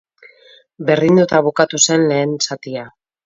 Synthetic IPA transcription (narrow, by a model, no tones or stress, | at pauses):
be̞ɾðind̪ut̪aβukat̪use̞nle̞ːnsat̪ia